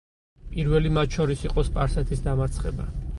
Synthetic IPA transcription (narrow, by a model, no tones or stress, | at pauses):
pʼiɾvɛlimat̪ʃɔɾisiqʼɔspʼaɾsɛt̪ʰisd̪amaɾt̪sʰχɛ̰ba̰